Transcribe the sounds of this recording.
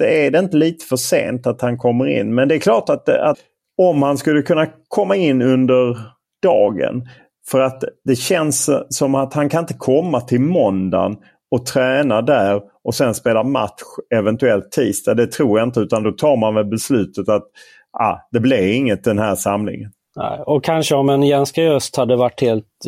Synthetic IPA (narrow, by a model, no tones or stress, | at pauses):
d̪̥ɛæɖ̪ɛɪnt̪əliːt̪ə̥fœʂḛːnt̪at̪hankʰɔmːəɾɪ̰nːmɛnd̪ɛːɾkʰlɑːʈat̪̚d̪ɛa̰ | ɔmhanskɵlːəkʰɵnːakʰɔmːaɪnːɵnd̪əɾ | ɖ̥ɑːɡə̰n | fœɾat̪d̪̥ɛɕɛnsːɔmat̪hankʰanɪnt̪əkʰɔmːat̪ʰɪlmɔnd̪a̰n | ɔt̪ʰɾɛːnad̪æɾ | ʔɔsɛnspeːlama̰t̪ɧɛvɛnt̪ɵɛlt̪ʰːiːst̪ɑd̪ɛt̪ʰɾuːjaɪnt̪əʉ̟ːt̪and̪ɔt̪ʰɑːɾmanmɛlbɛslʉ̟ːt̪ət̪at̪ | ʔa̰d̪ɛblɪɾɪŋːət̪̚d̪ɛnhæːɾʂamlɪ̰ŋən | nɛ̰ɪɔkʰanʂəɔmɛnjɛnskaœst̪had̪ːəvaʈːheːlt̪